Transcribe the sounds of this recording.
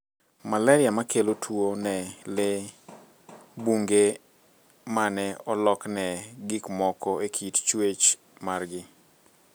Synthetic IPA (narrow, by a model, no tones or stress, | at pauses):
malaɾɪamakelotʰwonɛle | buŋɡe | manɛɔlɔknɛɡɪkmɔkɔekʰitt͡ʃwet͡ʃ | marɡɪ